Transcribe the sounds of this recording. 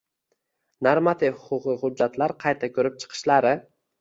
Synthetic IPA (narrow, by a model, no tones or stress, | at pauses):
naɾmat̪ʰɪfhʊqʊqɨχʊd͡ʒːat̪laɾqʰɑjt̪ʰakʲʰɵɾɪp̚t͡ʃʰɨ̥qʰɨ̥ʃlaɾɪ